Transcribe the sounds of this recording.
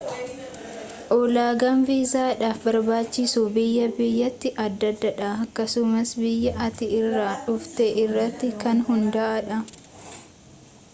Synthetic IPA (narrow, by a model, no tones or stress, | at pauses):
ʔɔːlaːɡɐmviːzaːᶑaːfbɐɾbaːt͡ʃːɪsuːbɪjːɐbɪjːɐt̪ːɪʔɐd̪ːɐd̪ːɐᶑaɐkːɐsʊmɐsbɪjːɐʔɐt̪ɪɪrːaːᶑʊft̪ɛʔɪrːɐt̪ːɪkɐnhʊnd̪ɐʔɐᶑɐ